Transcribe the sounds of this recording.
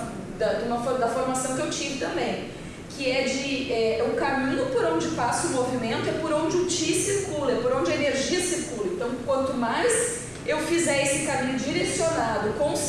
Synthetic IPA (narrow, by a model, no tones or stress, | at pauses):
d̪ɐd̪ũmɐfoɾd̪ɐfoɾmasɐ̃w̃kewt͡ʃĩvɪt̪ɐ̃mbẽj̃ | kɪɛd͡ʒɪɛʊkamĩɲʊpoɾõd͡ʒɪpasʊʊmovimẽnt̪ʊɛpoɾõw̃d͡ʒɪʊt͡ʃisiɾkulɐɛpoɾõd͡ʒɪɐeneɾʒiɐsiɾkulɐẽnt̪ɐ̃w̃kwɐ̃nt̪ʊmajs | ewfizɛesɪkamĩɲʊd͡ʒiɾesionad̪ʊkõw̃s